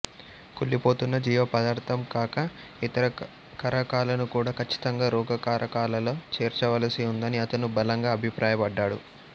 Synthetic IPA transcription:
kuɭːipo̞ːt̪unːɐd͡ʒiːʋɐpɐd̪aːɾt̪ʰɐmkaːkɐ | it̪ɐɾɐ | kɐɾɐkaːlɐnukuːɽaːkɐt͡ʃːi̥t̪ɐŋɡaːɾuːɡɐkaːɾʔɐkaːlɐloːt͡ʃeːɾt͡ʃɐʋɐlɐsiund̪ɐniɐt̪ɐnubɐlɐŋɡaːɐbʱipɾaːjɐpɐɖːaːɽṵ

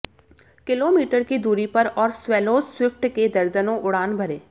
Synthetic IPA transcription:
kɪloːmiːʈəɾkid̪uːɾipɐɾɔːɾswɛːloːswɪfʈked̪ɐɾd͡ʒənõʔʊɽ̤aːnbʱɐɾeː

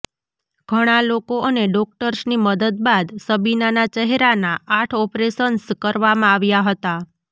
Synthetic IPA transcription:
ɡ̥ʱəɽ̃alokoʔəneɖɔk̚ʈəɾsniməd̪əd̪̚bad̪səbinanat͡ʃəɦeɾanaaʈʰɔpɾesənskəɾʋamãaʋjaɦət̪a

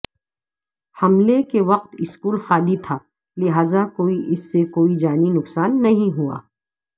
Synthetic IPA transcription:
hɐmlekeʋɐq̚t̪ɪskuːlxaːlit̪ʰaː | lɪɦaːzakoːiʔɪsːekoːid͡ʒaːninʊksaːnːɐɦĩɦua̰ː

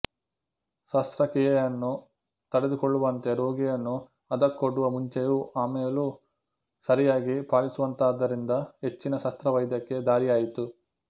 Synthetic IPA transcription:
sɐst̪ɾɐkiːjɐjɐnːu | t̪ɐɽed̪ukoɭːuʋɐnt̪e̞ɾo̞ːɡijɐnːu | ɐd̪ɐkːoɽːuʋɐmuɲt͡ʃejuʔaːmeːlu | sɐɾijaːɡipaːlisuʋɐnt̪aːd̪ːɐɾind̪ɐɦe̞t͡ʃːinɐʃɐst̪ɾɐʋɐjd̪jɐkːe̞d̪aːɾijaːjit̪u

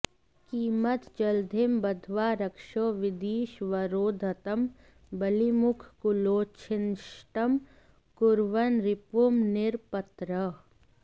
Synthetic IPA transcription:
kiːmət̪d͡ʒɐld̪ʱɪmbɐd̪ʱʋaːɾɐkʃoːʋɪd̪iːʃʋɐɾoːd̪ʱɐt̪əm | bɐlimʊkʰkʊloːt͡ʃʰɪnʃʈəm | kʊɾʋənɾɪpumnɪɾpət̪ɾə

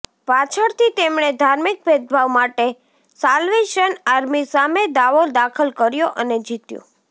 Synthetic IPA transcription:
pat͡ʃʰəɽt̪ʰit̪emɳ̃ed̪ʱaɾmik̚bʱed̪̚bʱaʋmaʈe | salʋeʃənaɾmisamed̪aʋod̪akʰəlkəɾjoʔəned͡ʒit̪jo̰

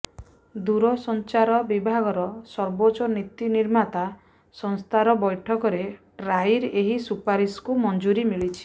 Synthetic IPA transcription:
d̪uɾɔsɔnt͡ʃaɾɔbibʱaɡɔɾɔsɔɾbot͡ʃɔnit̪iniɾmat̪a | sɔŋst̪ʰaɾɔbɔjʈʰɔkɔɾe | ɾajɾeɦisupaɾiskumɔnd͡ʒuɾimiɭit͡ʃʰi̥

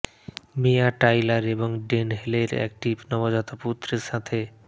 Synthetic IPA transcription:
mijaʈaːjləɾebɔŋɡɖenɦeleɾɛ̰k̚ʈipnəʋad͡ʒat̪oput̪ɾəsãt̪ʰe

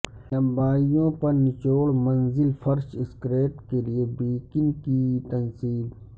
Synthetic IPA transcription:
lɐ̃mbaːijõpɐɾnɪt͡ʃoːɽmɐnzɪlfɐɾʃɪskɾeːʈkeliebiːkɪnkit̪ɐnsiːb

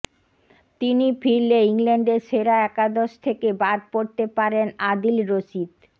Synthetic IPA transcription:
t̪inifʰiɾleiŋlɛɳɖeɾʃeɾaɛkad̪oʃt̪ʰekebaɾpoɾt̪epaɾenad̪ilɾoʃid̪

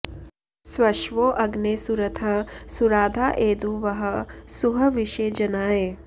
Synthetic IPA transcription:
swɐʃʋoːʔɐɡneːsuɾɐt̪ʰɐsuɾaːd̪ʱaːʔeːd̪uːʋɐɦɐ̆suɦɐʋiʃeːd͡ʒɐnaːeː

